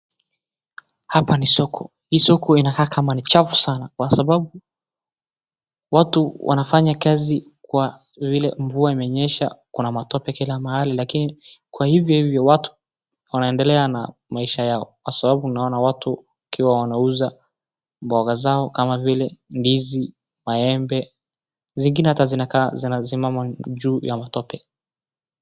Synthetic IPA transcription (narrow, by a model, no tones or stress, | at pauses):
hapanisɔkʰɔ | hiːsɔkʰɔinakaːkamanit͡ʃavusanakwasaɓaɓu | watuwʔa̰nafaɲakazi | kwa | vilɛɱvuaimɛɲɛʃa̰kunamatɔpɛkilamahalilakinikwahivjɔhivjɔwatu̥ | wanaɛndɛlɛanamaiʃajaɔkwasaɓaɓunaɔnawatuwakiwawanauza | mbɔɣazaɔkamavilɛndizi | maɛmbɛ | ziŋɡinɛhatazinakazinasimamaʄuːjamatɔpɛ